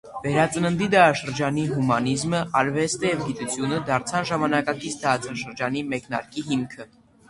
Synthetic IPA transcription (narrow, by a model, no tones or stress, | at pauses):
vɛɾɑt͡sənənd̪id̪ɑɾɑʃəɾd͡ʒɑniɦumɑnizməʔɑɾvɛst̪ɛjɛvɡit̪ut͡sʰjunəd̪ɑɾt͡sʰɑnʒɑmɑnɑkɑkit͡sʰd̪ɑɾɑt͡sʰɑʃəɾd͡ʒɑnimɛkn̪ɑ̰ɾkiɦimkʰə